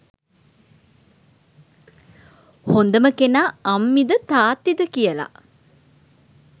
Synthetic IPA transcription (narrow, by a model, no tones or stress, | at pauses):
hond̪əməkenaːmːid̪ət̪aːt̪id̪əkijəla̰